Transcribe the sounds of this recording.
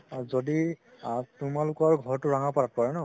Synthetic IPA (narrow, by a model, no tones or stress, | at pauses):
zodi | tʊmalʊkɔɹɡʱɔɹtʊɹaŋapat̚paɹɛnɔ